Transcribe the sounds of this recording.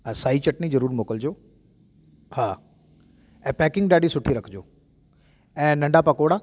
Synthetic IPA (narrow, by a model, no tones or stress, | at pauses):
saːit͡ɕɐʈnizɐɾuːɾmoːkəld͡ʑoː | haː | ɛ̃ːpɛːkɪ̃ŋɡɗaːɖisʊʈʰiɾɐkʰd͡ʑoː | ɛ̃ːnɐ̃ɳɖapɐkoːɽaː